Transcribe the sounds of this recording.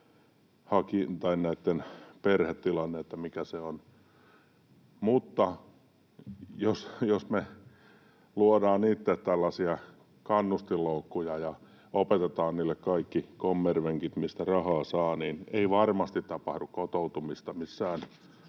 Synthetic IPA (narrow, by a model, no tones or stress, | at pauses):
hɑkint̪ɑinnæit̪ːenperhet̪tilɑnːeet̪ːæmikæseon | mut̪ːɑ | josjosme | luodɑːnniːt̪ːet̪t̪ælːɑsiɑ | kɑnːust̪ilːoukːujɑjɑ | opet̪et̪ɑːnniːlːekkɑikːikomːerʋeŋkit̪mist̪ærɑhɑːsɑːnineiʋɑrmɑst̪it̪tɑpɑhdukkot̪out̪umist̪ɑmisːæːn